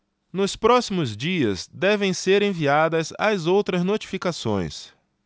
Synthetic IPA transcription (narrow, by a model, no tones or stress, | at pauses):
nʊspɾɔsimʊzd͡ʒiɐzd̪ɛvẽj̃seɾẽviad̪ɐzɐ̰zowt̪ɾɐznot͡ʃi̥fikasõ̰j̃s